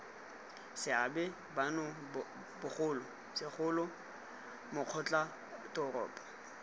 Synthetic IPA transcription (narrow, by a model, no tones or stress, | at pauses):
sɪabɛ | banɔ | bʊχʊːlɔ | sɪχʊlʊ | mʊq͡χʰɔt͡ɬʼa | tɔrɔ̰ːpʼḁ